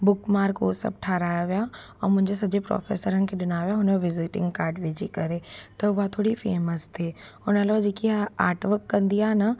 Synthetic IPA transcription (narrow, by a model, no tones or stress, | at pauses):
bʊkmaːɾkoːsɐ̰b̚ʈʰaːɾaːjaʋijaɔːɾmʊ̃ɦɪ̃ɲd͡ʑesɐd͡ʑepɾɔ̰ːfḛːsəɾənɪ̆kʰeɗɪnaːʋijaɦʊneʋɪzɪʈɪ̰̃ŋɡkaːɾɖʋeːd͡ʒikɐɾet̪ɐʊɦat̪ʰoːɽifeːməst̪ʰeː | ʊnəlaʋad͡ʑeːkiaa̰ːʈʋəɾkːɐ̃nd̪ijaːɦnɐ